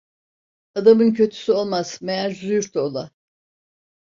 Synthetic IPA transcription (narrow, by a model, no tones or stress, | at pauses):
ad̪amɯncʰø̞t̪ʰy̥syo̞lˠmaz̥meaɾd͡ʒyɾt̪ʰolˠa